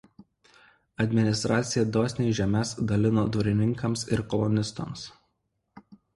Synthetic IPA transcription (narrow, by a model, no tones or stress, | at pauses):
ɐd̪ʲmʲɪnʲɪst̪ɾʔɑːt̪sʲɪjɛd̪oːsʲnʲeɪʒʲɛmʲɛsd̪ɐlʲɪnoːd̪ʊɾʲɪnʲɪŋkɐmsɪ̰ɾkɔlˠʊnʲɪst̪ɔ̰ms